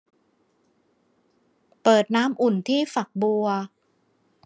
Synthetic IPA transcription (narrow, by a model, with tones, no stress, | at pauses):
pɤː˨˩t̪̚naː˦˥mʔu˨˩nt̪ʰiː˥˩fa˨˩k̚bu˧ɐ